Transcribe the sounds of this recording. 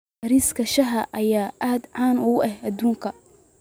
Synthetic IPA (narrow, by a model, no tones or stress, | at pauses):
ɾiːskʰɐʃɐɦɐʔɐjaːʔaːd̪ʕaːnʊɐhʔɐd̪uːŋkʰɐ